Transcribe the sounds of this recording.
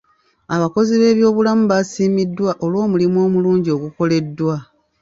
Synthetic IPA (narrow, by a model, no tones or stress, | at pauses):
aβako̞ziβe̞ːβjo̞ːβulamuβasiːmidːwaʔo̞lwo̞ːmulimwo̞ːmuluːɲɟio̞ɡuko̞le̞dːwa